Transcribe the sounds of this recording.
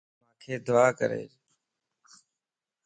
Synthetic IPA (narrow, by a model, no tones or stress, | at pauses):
mãːkʰeːd̪ʊaːkəɾḛː